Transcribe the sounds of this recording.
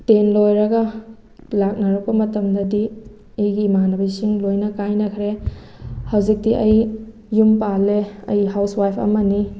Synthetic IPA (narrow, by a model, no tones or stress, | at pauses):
tenlojɾɐɡɐ | lak̚nɐɾɐk̚pɐmɐtɐmdɐdi | ɐjɡimanɐbɐjsiŋlojnɐkajnɐkʰɾe | hɐwzik̚diʔɐjː | umpalːeɐ̰jɦawswajpʰɐ̰mɐni